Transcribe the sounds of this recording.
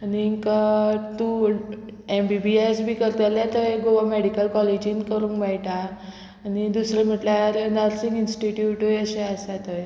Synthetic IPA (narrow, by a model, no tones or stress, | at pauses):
aniːŋkat̪u | embibiajsbʱiːkəɾt̪əljat̪əjɡoʋameɽikəlkɔled͡ʑinkəɾũːŋkbajʈaː | nid̪usɾem̤əʈljaɾnəɾsiŋɡinsʈiʈjuʈojəɕeasat̪ɔj